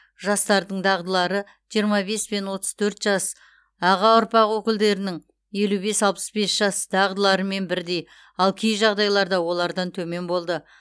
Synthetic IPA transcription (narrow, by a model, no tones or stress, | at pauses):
ʒɑst̪ɑɾd̪əɴd̪ɑʁd̪əlˠɑɾə | ʒ̥ijəɾmɑbe̞sbe̞nwo̞t̪ə̥z̥t̪ʰɵɾt̪ʒ̥ɑs | ɑʁɑʊɾpɑqwɵkʲɪld̪e̞ɾɪnɪŋ | je̞lube̞sɑlˠpə̥sbe̞sʒ̥ɑsd̪̥ɑʁd̪əlˠɑɾəme̞nbɪɾd̪e̞j | ɑlˠkʲʰejʒɑʁd̪ɑjlˠɑɾd̪ɑwo̞lˠɑɾd̪ɑnt̪ʰɵme̞nbo̞lˠd̪ə